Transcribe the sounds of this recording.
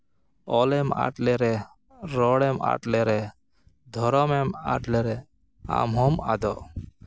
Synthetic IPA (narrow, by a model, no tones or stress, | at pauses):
ɔlɛma̰ʈlɛɾɛ | ɾɔɽɛma̰ʈlɛɾɛ | d̪ʱɔɾɔmɛma̰ʈlɛɾɛ | a̰mɦɔmad̪ɔ